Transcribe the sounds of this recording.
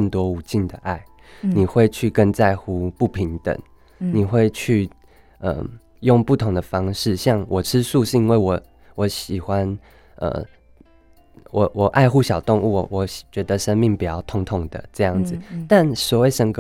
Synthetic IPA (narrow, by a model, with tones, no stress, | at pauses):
ə˥˩nt̪wɔ˥u˨˩t͡ɕi˥˩nd̪ə˩ʔa˥˩ɪ | ni˨˩xwe˥˧ɪt͡ɕʰy˥˧kə˥˧nt͡sa˥˧ɪxu˥pu˥˩pʰi˧˦ŋt̪ə̰˨˩˦ŋ | ni˨˩xwe˥˧ɪt͡ɕʰy˥˧ | ə̰˨˩ | jo˥˧ŋpu˥˩t̪ʰʊ˧˥ŋd̪ə˨fɑ˥ŋʂɻ̩˥˨ɕjɑ˥˩ŋwʔɔ˨˩ʈ͡ʂʰɻ̩˦su˥˧ʂɻ̩˥˩i˥nwe˥˩ɪwɔ˨˩ | wɔ˧˥ɕi˨˩xwa˦n | ʔə̰˨˩ | wɔ˨˩wʔɔ˨˩ʔa˥˧ɪxu˥ɕjɑ˨˩ʊt̪ʊ˥˧ŋu˥˩wɔ˨˩t͡ɕɥɛ˧˥d̪ə˧ʂə˦nmi˥˩ŋpu˨˩jɑ˥˩ʊt̪ʰʊ˧˥ŋt̪ʰʊ˨˩ŋd̪ə̰˨ʈ͡ʂɤ˥˧jɑ˥˩ŋd͡zɹ̩ɨ˨˩t̪a˥˩nswɔ˨˩we˥˩ɪʂə˧˥ŋk